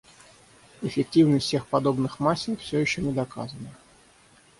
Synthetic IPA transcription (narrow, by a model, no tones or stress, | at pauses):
ɪfʲɪk̚tʲivnəsʲtʲsʲe̞xpɐd̪o̞bnɨxmasʲːɪkfsʲojɪɕːonʲɪd̪ɐka̰zənə